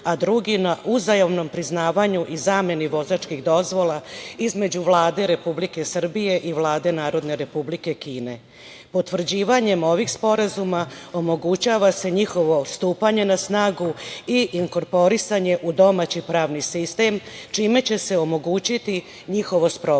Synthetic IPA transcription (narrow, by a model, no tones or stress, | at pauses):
ad̪ɾuɡinaʔuzajoʋno̞mpɾiznaːʋaɲuʔizaːmje̞niʋo̞zat͡ʃkiɣd̪o̞zʋo̞laizme̞d͡ʑuʋlˠaːd̪e̞ɾe̞publike̞sr̩bije̞ʔiʋlˠaːd̪e̞naːɾo̞d̪ne̞ɾe̞publike̞kiːne̞ | po̞t̪ʋr̩d͡ʑiːʋaɲe̞mo̞ʋiɡspo̞ɾazumao̞moɡut͡ɕaʋase̞ɲixo̞ʋo̞st̪uːpaɲe̞nasnaːɡuiʔiŋko̞ɾpo̞ɾisaɲe̞ʔud̪o̞maːt͡ɕipɾaːʋnisist̪e̞mt͡ʃiːme̞t͡ɕe̞se̞o̞mo̞ɡuːt͡ɕit̪i | ɲixo̞ʋo̞spɾo